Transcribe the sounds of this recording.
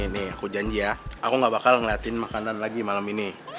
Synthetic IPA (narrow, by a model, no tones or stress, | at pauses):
nɛakud͡ʒaɲd͡ʒiaakuŋɡabakalŋliat̪inmakananlaɡimalamini